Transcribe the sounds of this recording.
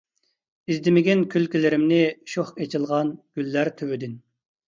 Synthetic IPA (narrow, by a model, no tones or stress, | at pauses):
izd̪ɪmɪɡʲinkʲʰylkʲilɪɾɪmnɪʃoχet͡ʃʰilˠʁɑnɡ̥ʲylːæɾt̪ʰøwyd̪ɪn